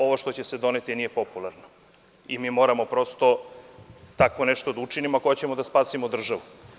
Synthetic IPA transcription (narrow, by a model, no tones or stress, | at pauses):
o̞ʋoʃt̪ot͡ɕe̞sed̪o̞net̪inije̞populˠaɾno | imiːmo̞ɾamo̞pɾo̞st̪o̞ | t̪akʋo̞neʃt̪od̪aut͡ʂinimoakojat͡ɕemo̞d̪aspaːsimod̪r̩ʒaʋu